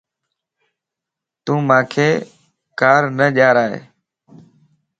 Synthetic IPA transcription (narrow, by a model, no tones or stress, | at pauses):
t̪ũːmãːkʰeː | kaːɾnəʄaːɾaːɦḛː